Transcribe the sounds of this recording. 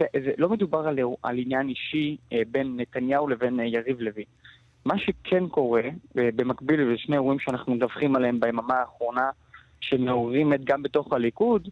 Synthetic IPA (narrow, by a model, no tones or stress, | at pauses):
ezelo̞med̪ubaʁalea̰linjaniʃibe̞nːetanjawle̞venjaʁivlevin | maʃekʰenko̞ʁe̞bemakbilvʃnejuimʃeanaχnumedavχimaleembeemamaːχʁo̞na | ʃemeoʁimet̪ɡambeto̞χhalikud